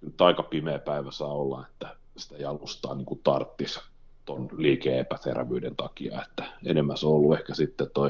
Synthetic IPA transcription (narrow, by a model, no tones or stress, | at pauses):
ynt̪ɑikɑpimeːpæiʋæsɑːolːɑ̰et̪ːæ | si̥t̪æjɑlust̪ɑ̰ːniːŋkut̪ɑrt̪ːis | t̪onliːkeːepætḛrʋyːdent̪ɑkiɑ̰et̪ːæ̥ḛnemːæsoolːuehkæsit̪ːet̪oi